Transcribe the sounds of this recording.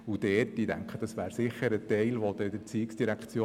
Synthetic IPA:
ud̪̥ɛːt̚d̥idæ̰ŋkχəd̥ɑsʋæːɾsɪχəɾət̪ɛɪlʋod̪ɛdəɾt͡siɪksd̥iɾækt͡sjoː

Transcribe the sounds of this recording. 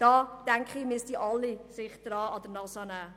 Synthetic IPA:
d̥ɑːd̥æŋkχimistiʔɑlːisɪχd̥rɑːɑdərnɑsɑnæː

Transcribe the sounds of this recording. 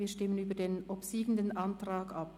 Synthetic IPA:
viːɐʃtɪmənyːbɐdeːnʔopsiːɡən̩dənʔantʁaːkap

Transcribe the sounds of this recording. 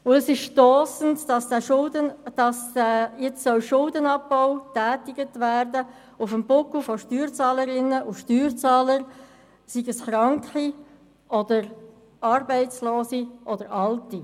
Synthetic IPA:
ʊəsɪʃʃtɔːsən̩tdɑsd̥æʃʊldənd̥ɑsjɛt͡ssœlʃʊldənɑpːaʊtæːtɪɡətvæːɾdə | ʊfəmbʊkl̩fɔʃtyːɾt͡sɑːləɾɪnəʔʊʃtyːɾt͡sɑːləɾ | siɡəsχɾɑŋkχi | ɔdəɾ | ɑːɾbɛɪt͡sloːsiʔɔd̥əɾɑlti

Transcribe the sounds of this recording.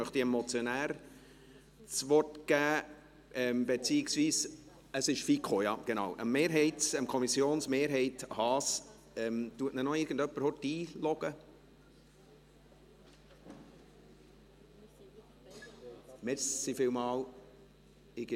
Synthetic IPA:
mœχt̪iɛmɔt͡sjonæːɾ | t͡sʋɔrtɡ̥æː | ɛmbet͡siːɪksviːs | əsɪʃfikχojɑ̰ɡ̥enɑwʔə̰mːeːɾɦɛɪtsəmkʰɔmisjoːnsmeːɾɦɛɪthɑːs | ɛmt̪uətnənɔɪːɾɡəndœpːəɾhɔtiːlɔɡ̥ə | mɛsifɪlmɑːl | ɪɡ

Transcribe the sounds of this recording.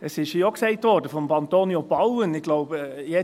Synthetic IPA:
əsɪʃhioksɛɪtʋɔrdəfɔmpɑnt̪oːnjobɑwənɪɡ̥lɔʊbjɛ

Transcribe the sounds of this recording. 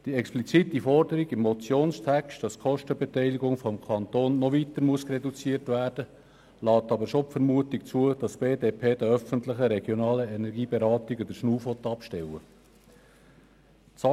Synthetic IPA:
d̥iɛksplit͡sitifɔrdəɾiɡɪmːɔt͡sjoːnstʰækstd̥ɑskʰɔʃtəbetɛɪliɡʊŋfɔmkʰɑnt̪oːnːɔʋit̪əɾmuəskrɛdut͡siətvæːrd̥ə | lɑːt̪ɑbəɾʃopfəɾmuətikt͡suəd̥ɑsb̥eːdeːpʰeːd̥əœfəntlɪχəɾɛɡjɔnɑːləɛnɛɾɡiːbeɾɑːtiɡəd̥̪əɾʃnuːfɔt̪ːɑpʃtɛwə | t͡sɑ

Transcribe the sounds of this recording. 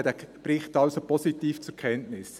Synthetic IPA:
d̪æb̥ɾɪχtɑlsopɔsitiːft͡sʊkʰɛntnɪs

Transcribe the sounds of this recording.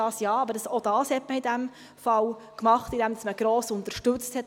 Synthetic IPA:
ɑːsjɑːɑbəɾdɑsod̥ɑːshɛtməidæm | fɑlkmɑχtid̥æmd̪ɑsməɡ̥ɾoːsʊnt̪əɾʃtɵt͡sthɛt

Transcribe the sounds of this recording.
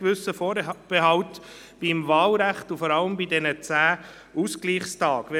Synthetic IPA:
kʋʏsəfɔːb̥eɦɑʊt | b̥imvɑːlɾæχtufɔɾɑləmbidɛnət͡sæː | ʔuskliːχstɑːɡ̥ʋɛ

